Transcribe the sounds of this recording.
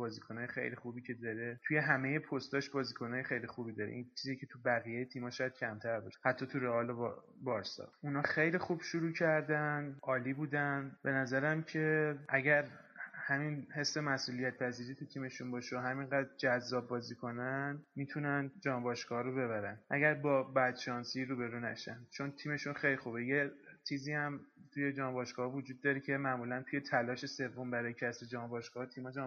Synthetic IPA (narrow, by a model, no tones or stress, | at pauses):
bɒːzikʰo̞nɒjexḛjlixubiːcʰe̞d̪ɒɾe̞t̪ʰuje̞ɦæme̞je̞pʰost̪ɒʃbɒːziːkʰo̞nɒːjexe̞jlixubid̪ɒɾḛʔint͡ʃʰiːzicʰet̪ʰubæɣijejet̪ʰiːmɒʃɒjæd̪̥̚cʰæmt̪ʰæɾbɒʃe̥hæt̪ʰːɒt̪ʰuɾeɒːlob | bɒɾsɒ̰unɒːxe̞jlixub̥ʃuɾuːcʰæɾd̪ænɒːlibuːd̪ænbe̞næzæɾæmcʰe̞ʔæɟæɾhæminhe̞sːe̞mæsʔuːlijæt̪̚pʰæziːɾiːt̪ʰut̪ʰiːme̞ʃunbɒːʃoɦæminɢæd̪ɾd͡ʒæzːɒːbːɒːzikʰo̞nænmit̪ʰunænd͡ʒɒːnbɒːʃɡɒːhɒɾobe̞βæɾænʔæ̰ɟæɾbɒːbæd̪ʃɒnsiɾuːbe̞ɾunæ̰ʃænd̪̥̚t͡ʃʰo̞nt̪ʰiːme̞ʃunxejlixubejet͡ʃʰiːziːhæmt̪ʰuje̞d͡ʒɒːnbɒːʃɡ̥ɒːhɒvod͡ʒuːd̪ːɒːɾecʰe̞mæʔmuːlænt̪ʰuje̞t̪ʰælɒːʃe̞se̞vːo̞mbæɾɒjecʰæsbed͡ʒɒːmbɒːʃɡ̥ɒːhɒt̪ʰiːmhɒd͡ʒɒ